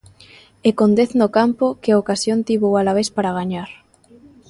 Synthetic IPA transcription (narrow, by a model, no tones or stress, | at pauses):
ekond̪eθnokampokeaokasjont̪iβoalaβ̞espaɾaɣ̞aɲaɾ